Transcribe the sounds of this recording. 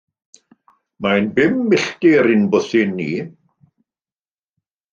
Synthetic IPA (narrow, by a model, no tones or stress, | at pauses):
maɪnbɪmːɪɬtiɾɪnbʊθɪnːḭː